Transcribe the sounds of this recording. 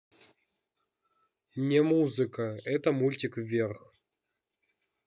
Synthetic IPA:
nʲemuzɨkəɛt̪əmulʲtʲɪkvʲerx

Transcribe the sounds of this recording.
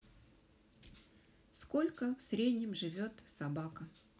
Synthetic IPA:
sko̞lʲkəfsɾʲed̪ʲnʲɪmʐɨvʲo̞t̪sabakə

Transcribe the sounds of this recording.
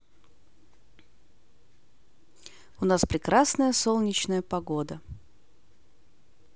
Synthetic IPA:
ʊnaspɾʲɪkɾasnəjəsolˠnʲɪt͡ɕnəjəpɐɡod̪ə

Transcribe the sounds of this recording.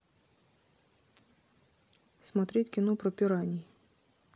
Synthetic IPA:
smɐt̪ɾʲitʲkʲɪnɔpɾɔpʲiɾɑnʲij

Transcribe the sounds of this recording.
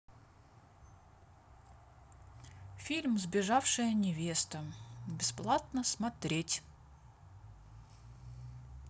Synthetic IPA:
fʲilʲmzbʲɪʐafʂɨjənʲɪvʲest̪əbʲɪsplˠat̪̚nəsmɐt̪ɾʲetʲ

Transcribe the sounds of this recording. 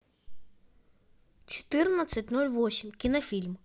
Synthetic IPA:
t͡ʃɔ̥t̪ɪrnɐt͡sʲɐtʲnulʲʋɔsʲimkʲinɐfʲilʲm

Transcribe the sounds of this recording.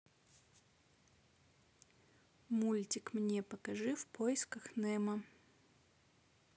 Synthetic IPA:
mulʲtʲɪkmnʲepəkɐʐɨfpʰoɪskəxnɛmə

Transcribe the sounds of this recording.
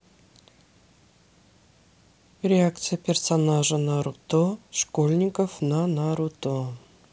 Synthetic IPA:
rʲeak̚t̪sɨjapʲersonaʒənɑɾut̪oʃkolʲnʲɪkofnɑnɑɾut̪o

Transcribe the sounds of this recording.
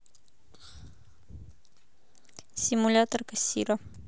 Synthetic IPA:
simulʲat̪oɾkasḭɾa

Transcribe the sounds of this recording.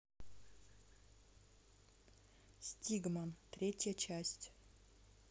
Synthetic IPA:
sʲtʲiɡməmt̪ɾʲetʲjət͡ɕæsʲtʲ

